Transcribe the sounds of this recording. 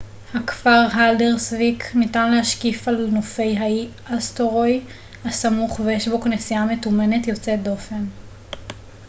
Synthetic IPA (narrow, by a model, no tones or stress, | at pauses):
hakfaʁɦaldeʁsvikʰnitanlehaʃkifalnofe̞jɦai | astoʁoj | hasamuχvejeʃbo̞knesiame̞tume̞ne̞tjo̞t͡sedo̞fe̞n